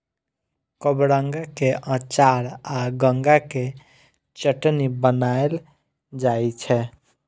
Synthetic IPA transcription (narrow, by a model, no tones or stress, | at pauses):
kəbɾaŋɡakeʔãt͡ʃaɾaɡəŋɡake | t͡ʃəʈnibənael | d͡ʒajt͡ʃʰɛ